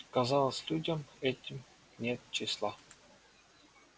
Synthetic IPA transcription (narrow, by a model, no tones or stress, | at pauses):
kazɑlˠəsʲlʲudʲəmɛtʲːɪm | nʲet̪t͡ɕɪsʲlˠɑ